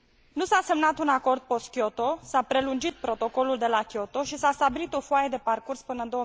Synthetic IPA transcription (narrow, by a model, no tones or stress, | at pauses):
nusase̞mnat̪unako̞rd̪̚po̞st̪̚kʲjot̪o̞sapɾe̞lund͡ʒit̪̚pɾo̞t̪o̞ko̞luld̪e̞lakʲjo̞t̪o̞ʃisast̪abilit̪o̞foajed̪e̞parkurspɨnənd̪oə